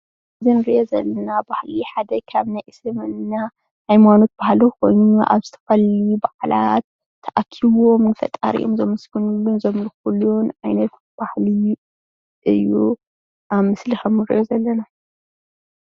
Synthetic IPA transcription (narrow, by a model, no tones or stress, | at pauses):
ɨzinɨɾiʔozɐlːɐnabahliħad̪ɐkʰaβnajʔɨslɨmɨnna | hajmano̞t̪̚b̥ahliko̞̰jnuuʔa̰βzɨt̪ʰɐ̥fɐluubaʕla̰t̪̚ʰː | ɐʔakʰːiwo̞mnɨfɐ̰t̪ʼa̰ɾḭʔomzɐmɐsɡɨnulːunzɐmlɨxulːunʕajnɐt̪ | b̥ahli | ʔɨjːu | amɨslixɐmnɨɾḭʔozɐlːɐna